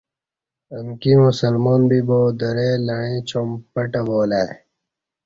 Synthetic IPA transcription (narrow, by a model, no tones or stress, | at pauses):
əŋkimusɐlmoːnbiboːd̪ɐɾeːlɐɳ̃ẽːt͡ɕompɐʈɐboːlaː